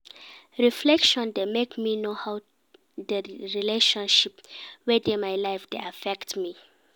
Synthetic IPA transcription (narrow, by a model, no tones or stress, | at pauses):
ɹiflɛkʃɔ̃ndemekminohaw | dəɹileʃɔ̃nʃipwidĩnmajlajfdḛafɛktmi